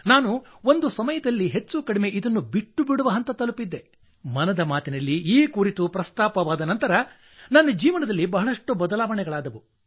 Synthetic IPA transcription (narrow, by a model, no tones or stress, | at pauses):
naːnuo̞nd̪usɐmɐjɐd̪ɐlːiɦet͡ʃːukɐɽime̞ʔid̪ɐnːubiʈːubiɽuʋɐɦɐnt̪ɐt̪ɐlupid̪ːe̞ | mɐnɐd̪ɐmaːt̪inɐlːiiːkuːɾit̪upɾɐst̪aːpɐʋaːd̪ɐnɐnt̪ɐɾɐ | nɐnːɐd͡ʒiːʋɐnɐd̪ɐlːibɐɦɐɭɐʂʈubɐd̪ɐlaːʋɐɳɛɡɐɭaːd̪ɐʋu